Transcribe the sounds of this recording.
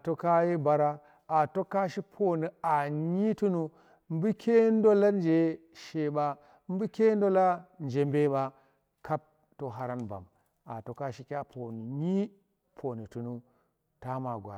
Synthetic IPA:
to˦ka˦je˦ba˨ɾa˦ | a˨to˦ka˦ʃi˦pʰo˦ni˨a˨ɲi˦tu˦nu˦ | m˦bi˦kʲʰe˦n˦do˦la˦nd͡ʒe˨ | ʃe˨ɓa˦ | m˦bi˦kʲe˦n˦do˦la˦nd͡ʒe˨mbe˦ɓa˦ | ka˦p̚ | to˦ɦa˦ɾa˦nba̰˨m | a̰˨to˦ka˦ʃi˦kʲa˦pʰo˨ni˨ɲi˦ | pʰo˨ni˨tu˨nu˦ | ta˦ma˨ɡʷa̰˨

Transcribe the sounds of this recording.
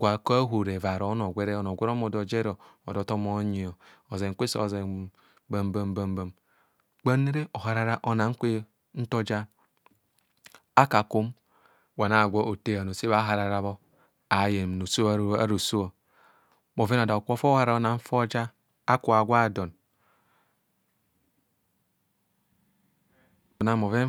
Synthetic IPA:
kʷa˨ka˦ɦu˨ɾe˨va˨ɾo˨˦no˨ɡʷe˦ɾe˦o˨no˨ɡʷe˦ɾo˦mo˨do˨d͡ʒe˦ɾo˨o̰˨do˨to˦mo˦ɲi˨o˨o˨ze˨ŋ̩˦kʷe˦so̰˦˨ze˨ | ba˦m˦ba˦m˦ba˦m˦ba˦m | k͡pa˦ne˦ɾe˦o˨ɦa˨ɾa˦ɾa˦ʔo˦na˨ŋ̩˦kʷe˦ | n̩˦to˦d͡ʒa˦ | a˦ka˨ko˦m | wa˨na˨ɡʷo˦ʔo˨te˦a˨no˨se˦βa˦ɦa˨ɾa˨ɾa˦βo˦ | a˨je˨no˨so˦a̰˦ɾo˨so˦o˨ | mo˨ve˦no˨da˨o˨kʷo˦fo˦ha˦ɾa˨˦o˦na˨ɱ̩˦fo˦d͡ʒa˦ | a˦ku˨a˨ɡʷa˦˨do˨n | o˨na˨mo˨ve˦

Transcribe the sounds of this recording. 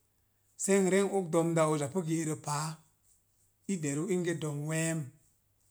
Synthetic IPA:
se˦ŋɾe˦ŋo˦k̚do˧mda˧o˧za˨pə˦ɡe˧˨ɾə˧pa˨˦ | i˦de˨ɾu˦i˦ŋɡe˦do˧mwe˦m

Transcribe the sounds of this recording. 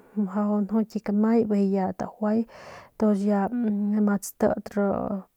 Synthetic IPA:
ha˧o˧no˦tʲi˧kama˦jbe˧ja˧t̪a̰˨xʷwʷa˦jt̪o˧sja˧ma˧t͡st̪ə̰˧d̪ɾo̰˧

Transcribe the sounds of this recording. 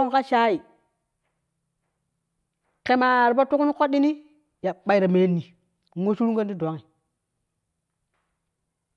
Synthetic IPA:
ŋ˨ka˦ʃa˦i˨ | ke˨ma˨ɾi˨pa˦tu˦ku˦ni˦ko˦ɗi˦ni˦ | ja˨ɓa˨i˨ɾa˨me˨˦nːi˨ | ŋo˦ʃu˦ɾu˦ɡa˦ndi˦do˨˦ŋi˨

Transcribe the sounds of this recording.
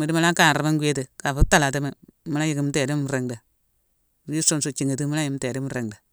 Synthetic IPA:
mi˨di˦ma˦la˦ka˨n˨ɾa˨ma˦ŋɡe˦te˨ka˨fu˦ta˦˨la˨te˦me˨˦ma˦a˦ji˨ki˨m˦te˨di˦m˦ɾe˨ŋda˨ | ɾi˦so˦msu˨t͡ʃi˨ŋe˨ti˦mu˦la˦ji˨˦m˦te˨di˦m˨ɾe˨ŋda˨

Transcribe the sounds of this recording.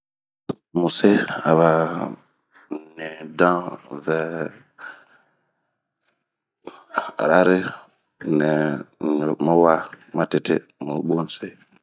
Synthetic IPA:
mu˨se˦a˨βa˨ | nɛ˨dã˦vɛ˨ | ɾa˦ɾi˦ | nɛ˨ɲ˨ɾma˦wa˦ma˨ti˨tḛ˦mu˨ɓu˦n˦se˦

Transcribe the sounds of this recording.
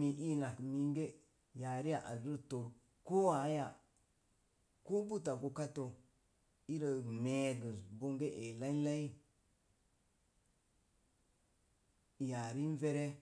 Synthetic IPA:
mi˨ʔi˦na˨kmi˨ŋɡe˦ | ja˨ɾi˦a˨ʔa̰˨di˦ɾto˨ɾ | ko˦a˨˦ja˨ | ko˦bu˦ta˨ɡo˨ka˦to˨ | i˦ɾa˨me˨ɡə˨bo˦ŋɡe˦ʔe˨la˦la˦i˦˨ | ja˨ɾi˦n˦ve˦ɾe˦

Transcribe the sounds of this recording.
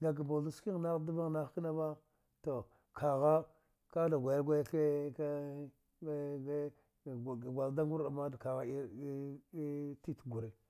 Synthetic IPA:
ŋɡa˨ɡ̬a˨bo˨u˨ski˦ŋ˨na˦du˦ba˦ŋ˨na˦xki˦na˦ba˦ | to˨ | kʰa˨ɣa˦ | ka˦da˨ɡʷa˨ja˦ɾɡʷa˦jke˦ka˦˨ | ɡʷa˨lda˦ŋɡu˦ɾda˨ma˦dka˨ɣa˦i˦ | ti˦tɡu˨ɾe˨

